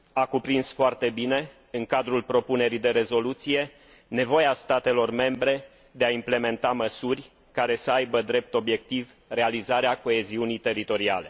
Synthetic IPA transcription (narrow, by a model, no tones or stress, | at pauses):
akupɾinsfoart̪e̞bine̞ | ɨŋkad̪ɾulpɾo̞pune̞ɾid̪e̞ɾe̞zo̞lut̪sije̞ | ne̞vo̞jast̪at̪e̞lo̞rme̞mbɾe̞ | d̪e̞aimple̞me̞nt̪aməsurʲ | kaɾe̞səajbəd̪ɾe̞p̚t̪o̞bje̞k̚t̪iv | re̞alizaɾeako̞e̞ziunijt̪e̞ɾit̪o̞ɾia̰le̞̰